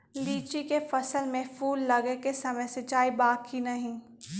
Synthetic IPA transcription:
liːt͡ʃikefɐsəlmẽfuːlːɐɡekesɐməjsɪt͡ʃaːibaːkːinɐɦĩː

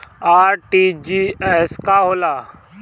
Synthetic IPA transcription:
aːɾʈiːd͡ʒiːɛskaɦoːlaː

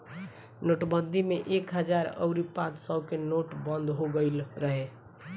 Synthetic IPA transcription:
noʈbənd̪ʱimeʔekɦəd͡ʒaɾə̰ʊɾipãt͡ʃsəkenoʈbənd̪ʱɦoɡəɪlɾəɦe

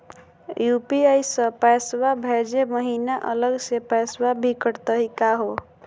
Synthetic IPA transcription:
jupiajsə̃pɛswabʱed͡ʒeməɦinaʔələɡsepɛswabʱikəɽt̪əɦikaɦo

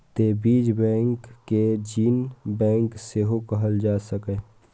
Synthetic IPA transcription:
t̪ebiːd͡ʒbɛ̃ːŋkːed͡ʒiːnbɛ̃ːŋkseɦokəɦəld͡ʒaːsəkə

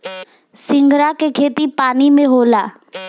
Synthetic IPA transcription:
sɪ̃ŋɡɾakekʰeːt̪ipaːnimẽɦoːlaː

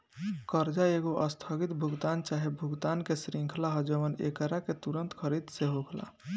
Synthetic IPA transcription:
kəɾd͡ʒaeɡoʔəst̪ʰəɡit̪bʱuɡt̪ant͡ʃaɦebʱuɡt̪ankesɾĩŋkʰlaɦəd͡ʒəʋənḛkəɾaket̪uɾənt̪kʰəɾid̪seɦoɡla̰

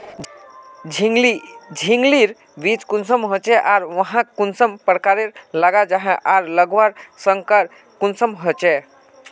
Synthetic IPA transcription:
ilid͡ʒʱiŋɡliɾ | bit͡ʃkunsəmɦot͡ʃɛʔaɾʋəɦãkunsəmpɾkaɾeɾlaɡad͡ʒaɦɛ̃ʔaɾləɡʋaɾsəŋkəɾ | kunsəmɦot͡ʃɛ

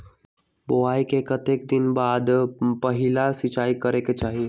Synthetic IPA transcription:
boʋajkekət̪ek̚d̪inbad̪pəɦilasit͡ʃaikəɾeket͡ʃaɦi

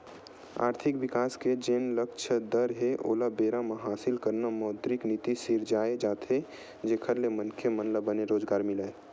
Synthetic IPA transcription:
a̰ːɾt̪ʰɪkbɪkaːsked͡ʒeːnləkt͡ʃʰəd̪əɾɦeʔo̰ːlabeːɾamãɦaːsɪlkəɾnamɔːd̪ɾɪknit̪isiɾd͡ʒaːed͡ʒaːt̪ɦe | d͡ʒeːkʰəɾlemənkʰemənləbəneɾoːd͡ʒɡaːɾmɪle

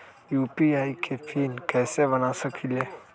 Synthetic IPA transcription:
juːpiaːikʰepʰiːnkɛːsebɐnasəkʰileː

